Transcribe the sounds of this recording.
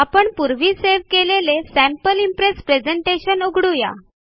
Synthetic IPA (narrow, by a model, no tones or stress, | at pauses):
apəɳpuɾʋiːseʋkelelesæ̃mpəlimpɾespɾed͡zeɳʈeɕənuɡʱɽuja̰